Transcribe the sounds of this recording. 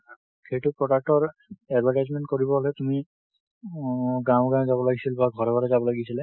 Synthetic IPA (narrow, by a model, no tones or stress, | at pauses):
kejtupɹɔdak̚tɔɹɛdvʱaɹʈazmɛnt̚koɹibɔɦolɛtumi | ɡãw̃ɡãzabɔlaɡisilbaɡʱɔɹɔbɔɹɛzabɔlaɡisilɛ